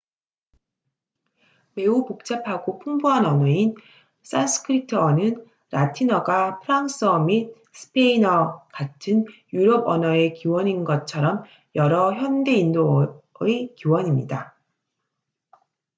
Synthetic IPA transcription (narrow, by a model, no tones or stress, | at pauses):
me̞upok̚t͡ɕ͈apʰaɡopʰuŋbuɦanʌnʌin | s͈asʰɯ̥kʰɯɾitʰɯʌnɯn | ɾatʰinʌɡapʰɯɾaŋs͈ʌmit̚ | sʰɯ̥pʰeinʌkatʰɯnjuɾʌbʌnʌe̞kiwʌninɡʌt̚t͡ɕʰʌɾʌm | jʌɾʌçjʌnde̞indo | ekiwʌɲimɲida